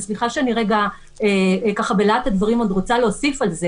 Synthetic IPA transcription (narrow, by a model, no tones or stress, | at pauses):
sliχaʃeaniʁeɡa | ekaχabelat̪ad̪vaʁimod̪ʁo̞t͡saleosifalze